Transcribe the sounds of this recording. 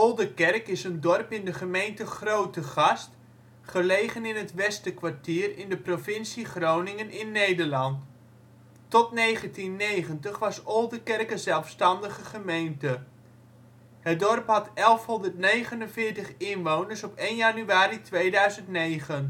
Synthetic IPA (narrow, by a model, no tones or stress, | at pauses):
ɔlˠdəkɛrkɪsəndɔrpɪndəχəmejntəχrowtəχɑst | χəlejχənɪnɦətʋɛstəkʋartiːrɪndəprofɪnsiχrownɪŋənɪnːejdəɹlɑntː | ɔtnejχəntinːejχəntəχʋɑsɔlˠdəkɛrkəzɛlˠfstɑndəχəχəmejntə | hət̚dɔrpɦɑtɛlˠfɦɔndərtnejχənənvɪːɹtəχɪnʋownəɹsɔpejnjanyaːritʰʋejdœɥzəntnejχən